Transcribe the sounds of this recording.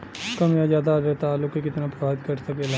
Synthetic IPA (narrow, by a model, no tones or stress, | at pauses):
kɐmjazjaːd̪aɾet̪aːlʊkekɪt̪napɾɐbʱaːʋɪt̪kɐɾsɐkel